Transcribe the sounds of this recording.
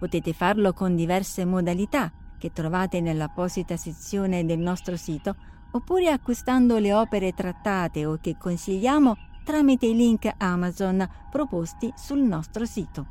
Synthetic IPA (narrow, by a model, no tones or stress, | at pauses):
pot̪ɛːt̪efarlokond̪ivɛrsemod̪alit̪ak̟et̪ːɾovaːt̪enelːapɔzit̪aset̪sːjoːned̪elnɔst̪ɾosiːt̪o | opːuːɾeakːwist̪and̪oleɔːpeɾet̪ɾat̪ːaːt̪eok̟ːekːonsiʎːaːmot̪ɾaːmit̪eiliŋkamazon | pɾopost̪isulnɔst̪ɾosiːt̪o